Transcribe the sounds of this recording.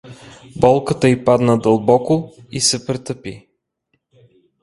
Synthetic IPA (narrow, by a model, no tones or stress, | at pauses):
bɔlˠkət̪əipad̪nəd̪əlˠbɔkoisɛpɾɛt̪əpḭ